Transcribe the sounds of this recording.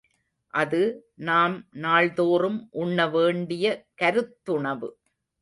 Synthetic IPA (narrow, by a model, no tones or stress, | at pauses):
ʔɐðɯnaːmnaːɭðoːɾɯmʔʊɳːɐʋeːɳɖɪjɐkɐɾɯt̪ːʊɳɐʋɯ